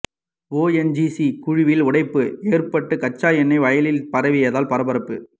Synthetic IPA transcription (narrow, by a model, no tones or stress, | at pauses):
oːɛnd͡ʒisikʊɻɪʋɪlʊɽɐɪpːɯeːrpɐʈːɯkɐt͡ʃːaːjɛnːɐɪʋɐjɐlɪlpɐɾɐʋɪjɐðaːlpɐɾɐbɐɾɐpːɯ